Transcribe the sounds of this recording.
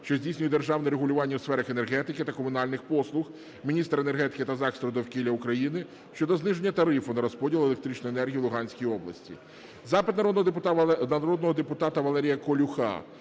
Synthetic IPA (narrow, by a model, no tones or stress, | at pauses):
ʃt͡ʃɔzʲdʲijsʲnʲʊjɛd̪erʒɑwnɛɾeɦʊlʲʊʋɑnʲːɐwsfɛɾɐxene̞rɦɛt̪ɪkɪt̪ɐkɔmʊnɑlʲnɪxpɔslˠʊx | mʲinʲist̪ɾenerɦɛt̪ɪ̥kɪt̪ɐzɑkst̪ɾɔd̪ɔwkʲilʲːɐʊkɾɐjinɪ | ʃt͡ʃɔd̪ɔznɪʒenʲːɐt̪ɐɾɪfʊnɐɾɔspɔdʲilˠelek̚t̪ɾʲit͡ʃʲnɔjenɛrɦʲijilˠʊɦɑnʲsʲkʲijiɔblˠɐ̰sʲtʲḭ | zɑpɪt̪nɐɔ | ɐɾɔd̪nɔɦɔd̪epʊt̪ɑt̪ɐʋɐlˠɛɾʲijɐkɔlʲʊxɑ̰